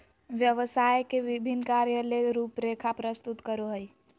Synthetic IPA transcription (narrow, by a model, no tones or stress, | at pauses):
ʋjəʋəsajkeʋibʱinːkaɾjəleɾupɾekʰapɾəst̪ut̪kəɾuɦəj